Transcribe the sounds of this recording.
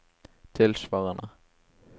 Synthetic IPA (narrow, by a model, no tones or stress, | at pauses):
t̪ʰɪlsvawɣana